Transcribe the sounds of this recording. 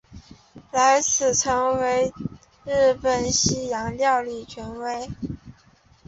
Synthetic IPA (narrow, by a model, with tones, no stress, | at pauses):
la˧˥ɪt͡sʰɹ̩˨˩ʈ͡ʂʰɤ˧˥ŋwe˧˥ɪ | ɻ̩˥˩pə˨˩nɕi˥jɑ˧˥ŋljɑ˥˧ʊli˥˩t͡ɕʰɥɛ˧˥nwe˧˥ɪ